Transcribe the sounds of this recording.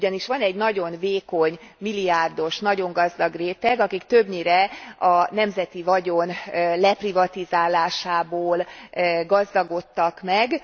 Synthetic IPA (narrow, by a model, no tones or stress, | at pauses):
ɟɒniʃʋɒnɛɟnɒɟo̞nveːko̞ɲmilːiaːrd̪o̞ʃnɒɟo̞ŋɡɒzd̪ɒɡreːt̪ɛɡɒkikt̪ø̞bɲiːɾɛɒnɛmzɛt̪ivɒɟonlɛprivɒt̪izaːlaːʃaːboːlɡɒzd̪ɒɡo̞t̪ːɒkmɛɡ